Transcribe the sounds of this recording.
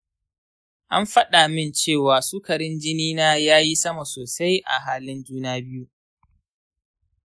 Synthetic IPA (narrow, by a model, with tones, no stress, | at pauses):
ʔa̰˦mɸɐ˦ɗa˨mɪ˦nt͡ʃeː˦˨waː˨suː˦kɐ˨ɾɪ˦nd͡ʒɪ˦niː˦naː˦jaː˦ji˦sɐ˦ma˨soː˨sa˦jʔa̰˨ɦaː˦lɪ˦nd͡ʒuː˦naː˦bɪ˦ju˦